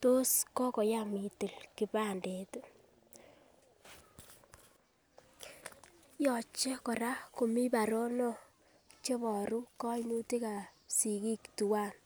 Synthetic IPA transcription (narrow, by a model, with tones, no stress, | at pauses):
to˦skɔ˦kɔ˨ja˦mi˨tɪ˨lki˨ba˦˨nde˨t | jɔ˨t͡ʃe˦kɔ˨ɾa˦ko˨mi˦ba˨ɾɔ˦nɔ˦ | t͡ʃe˦βɔ˨ɾu˦kɔ˦nu˦ti˦ka˨si˨ki˦ktu˨wa˦n